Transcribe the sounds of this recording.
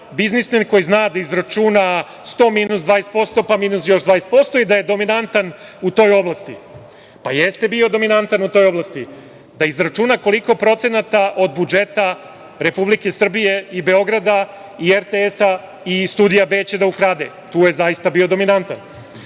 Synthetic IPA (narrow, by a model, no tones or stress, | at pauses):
biznismenkojiznaːd̪aizɾat͡ʃuna | st̪o̞miːnusd̪vaːjest̪po̞st̪o̞pamiːnusjo̞ʃd̪ʋajest̪po̞st̪o̞id̪ajed̪o̞minant̪anut̪o̞ːjo̞blˠast̪ḭ | pa̰jest̪e̞bio̞d̪o̞minant̪anut̪o̞ːjo̞blast̪i | d̪aizɾat͡ʃunako̞liko̞pɾo̞t̪se̞nat̪aʔo̞d̪bud͡ʒe̞t̪a | ɾe̞publike̞sr̩bije̞ibe̞o̞ɡɾad̪a | ieɾt̪eesa | ist̪uːd̪ijabe̞ːt͡ɕed̪aukɾaːd̪ḛ | t̪uːje̞zajist̪abiod̪o̞minant̪an